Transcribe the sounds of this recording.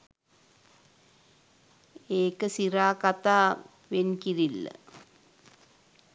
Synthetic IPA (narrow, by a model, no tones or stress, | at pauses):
eːkɐsiɾaːkɐt̪aː | ʋenkiɾil̰